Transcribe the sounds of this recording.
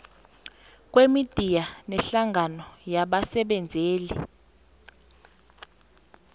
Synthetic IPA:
k̬ʼwemid̥ʱijanɛɬaŋanɔjaɓasɛɓɛnd͡zʱeːli

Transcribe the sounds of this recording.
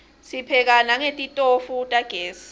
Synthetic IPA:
sipʰɛk̬anaŋetʼitʼofutʼaɡ̥ʱeːsi̥

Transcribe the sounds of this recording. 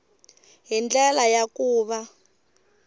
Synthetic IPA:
ɦind͡ɮɛlajakuːβa

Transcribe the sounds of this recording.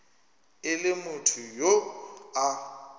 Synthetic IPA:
ɪlɪmʊtʰʊjoa

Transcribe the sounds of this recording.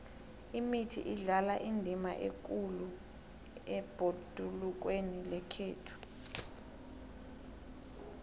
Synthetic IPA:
imitʰḭʔiɮalaʔindʱima̰ʔek̬ʼulu | ɛb̥ʱod̥ʱuluk̬wenilɛkʰeːtʰu̥

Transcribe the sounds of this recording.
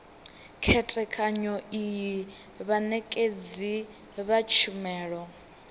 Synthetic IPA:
kʰɛtʼɛkʰʼaɲɔiji | βanɛkʼed͡zi | βat͡ʃʰumɛːɺɔ

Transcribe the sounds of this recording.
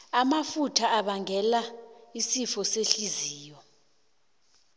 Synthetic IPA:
amafutʰaːɓaŋʱɛlaisifɔseɬiziːjɔ

